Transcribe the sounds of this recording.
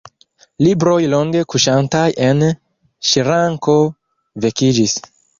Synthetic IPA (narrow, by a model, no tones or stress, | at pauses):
libɾojloŋɡe̞kuʃantajen | ʃiɾaŋko | vekid͡ʒis